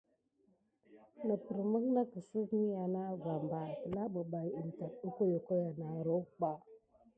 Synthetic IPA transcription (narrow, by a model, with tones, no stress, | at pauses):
nə˨pə˨ɾmə˦kna˦kə˨sə˦vmi˦ja˨na˦ɡa˨mba˨kə˨la˦bə˨ba˨ji˨n˨ta˨tu˦ko˦jo˨ko˦ja˨na˨ɾo˦k͡pa˨